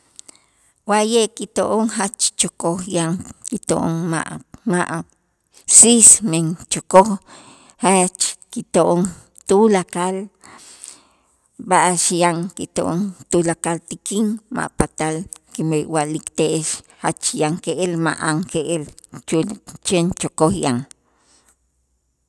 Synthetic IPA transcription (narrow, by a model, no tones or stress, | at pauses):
wajekit̪oʔoŋhat͡ʃt͡ʃokoxjaŋkit̪o̰ʔo̰ŋma̰ʔmaʔ | sismeŋt͡ʃokox | hat͡ʃkit̪oʔoŋ | t̪ulakal | baʔaʃjaŋkit̪o̰ʔoŋt̪ulakalt̪ikiŋma̰ʔpat̪alkimejwaʔlikt̪eʔeʃhat͡ʃjaŋkeʔelma̰ʔaŋkeʔelt͡ʃult͡ʃent͡ʃokoxjaŋ